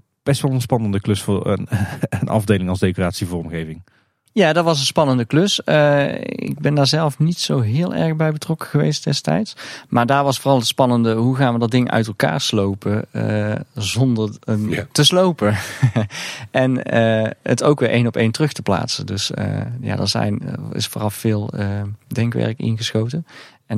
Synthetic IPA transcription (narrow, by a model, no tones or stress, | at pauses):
b̥ɛstʋɛlˠənspɑnəndəklɵsfʊːɹ̰nənʔɑ̰vdejlɪŋɑlˠzdejkoraːtsivʊːrɔmɣejvɪŋ | jaːdɑtʋɑs̬ənspɑnəndəklɵsəɪ̰ɡ̚bɛndaːɹzɛlˠfnitsowɦɪːlˠʔɛ̰ɹɣbɛjbətrɔkə̥ɣəʋḛjstd̥ɛstɛ̰jtsmʔaːɹdaːɹʋɑsfʊːrɑlˠɦətspɑnəndəɦuɣaːnʋədɑd̚ɪŋʔœ̰ɥtɛlˠka̰ːɹslowpəəzɔndəɹəntəslowpə | ʔɛnəətowkʋɪʔejnɔpejntərɵxtəpla̰ːtsəndɵsə̰ja̰ːdə̰ɹzɛ̰jnɪ̰sfoːrɑfːɪːlˠədɛŋkʋɛ̰ɹkɪ̰nɣəsxowtə | ɛn